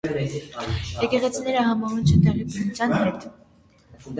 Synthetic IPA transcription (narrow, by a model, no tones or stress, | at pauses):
jɛkɛʁɛt͡sʰinɛɾəɦɑmɑvunt͡ʃʰət̪ɛʁɛkunut͡sʰjɑnɦɛt̪